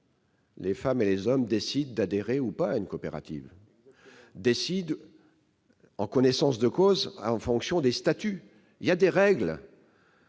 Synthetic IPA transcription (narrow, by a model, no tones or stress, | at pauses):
lefamelezɔmd̪esid̪ːad̪eʁeupaːynkɔpeʁa̰t̪ḭv | d̪esid̪ | ɑ̃kɔnesɑ̃sd̪əkozãfɔ̃ksjɔ̃d̪est̪at̪y | iljad̪eʁɛɡl